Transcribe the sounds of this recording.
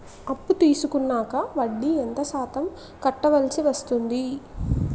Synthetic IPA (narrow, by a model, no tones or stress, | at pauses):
ɐpːut̪iːsukunːaːkɐʋɐɖːient̪ɐsaːt̪ɐm | kɐʈːɐʋɐlsiʋɐst̪und̪i